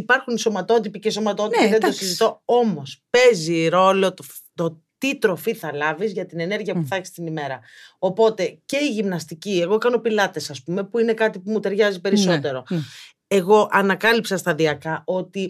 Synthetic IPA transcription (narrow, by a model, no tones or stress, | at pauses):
ipɐɾxunso̞mɐt̪o̞t̪̬ipiceso̞mɐt̪o̞t̪ipiðed̪osizit̪o̞o̞mo̞spe̞ziɾo̞lo̞t̪ | t̪ot̪it̪ɾo̞fiθɐlɐvizʝɐt̪ine̞ne̞ɾʝiɐpuθɐçi̥st̪inime̞ɾɐopo̞t̪e̞ce̞iʝimnɐst̪icie̞ɣo̞kɐno̞pilɐt̪e̞sɐspume̞puine̞kɐt̪ipumut̪e̞ɾʝɐzipe̞ɾiso̞t̪e̞ɾo̞ | e̞ɣo̞ʔɐnɐkɐlipsɐst̪ɐðiɐkɐo̞t̪i